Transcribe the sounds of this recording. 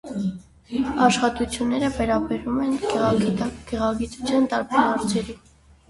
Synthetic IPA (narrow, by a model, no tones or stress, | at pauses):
ɑʃχɑt̪ut͡sʰjunːɛɾəvɛɾɑbɛɾumɛnɡɛɡiɡ̥ɛʁɑɡit͡sut͡sʰjɑnt̪ɑɾpɑhɑɾt͡sʰɛɾi